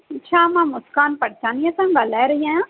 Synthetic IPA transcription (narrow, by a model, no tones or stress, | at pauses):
t͡ʃʰaːmãːmʊskaːnpɐɽt͡ʃaːnijãsãbalɛːɾɐɦiãã